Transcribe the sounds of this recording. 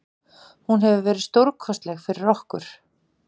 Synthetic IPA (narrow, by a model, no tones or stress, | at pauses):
hunɦɛvʏvɛːɾɪðst̪owɾkʰvɔst̪lɛɣfɪɾɪɾɔhkʏɾ̥